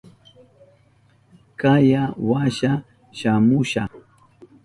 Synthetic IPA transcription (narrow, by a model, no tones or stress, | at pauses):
kajawaʃa | ʃamʊʃaχ